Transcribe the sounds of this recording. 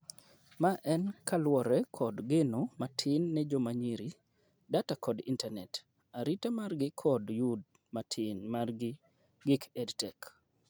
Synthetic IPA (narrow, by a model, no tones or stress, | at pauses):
maʔɛnkʰalwɔɾɛkʰɔdɡenomatʰɪnːɛd͡ʒɔmaɲiɾi | datakɔdḭntanɛt | aɾitamarɡɪkʰɔdjud̚ | matʰɪnmarɡɪ | ɡɪkɛdtɛk